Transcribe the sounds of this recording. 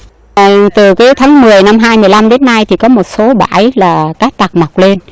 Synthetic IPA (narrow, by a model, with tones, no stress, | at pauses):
t̪ɨ˨˩kaː˨˦jt̪ʰaː˨˦ŋmɨ˨˩əjna˧mɦaː˧jmɨ˨˩əjla˧mɗe˨˦nːa˧jt̪ʰi˨˩kɔ˨˦mo˨˩t̚so˨˦ɓa̰ː˧˩jlaː˨˩kaː˦˥k̚t̪a˨˩k̚ma˨˩wk͡p̚le˧n